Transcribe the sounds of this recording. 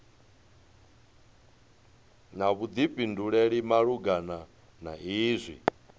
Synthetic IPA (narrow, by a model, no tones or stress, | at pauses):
naβud̪ipʼinduɺɛɺimaɺuɡana | na̰iːzʷḭ